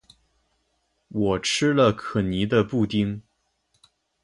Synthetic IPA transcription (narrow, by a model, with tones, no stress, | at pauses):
wɔ˨˩ʈ͡ʂʰɻɻ̩˥lə˨˧kʰɤ˨˩ni˧˥d̪ə˧pu˥˩t̪i˥ŋ